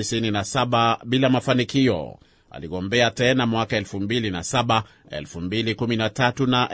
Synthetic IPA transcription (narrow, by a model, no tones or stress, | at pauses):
isininasaɓaɓilamafanikiɔ̰ | a̰liɠɔmbɛatɛnamwakaɛlfumbilinasaɓa | ɛ̰lfumbilikuminatatunaʔ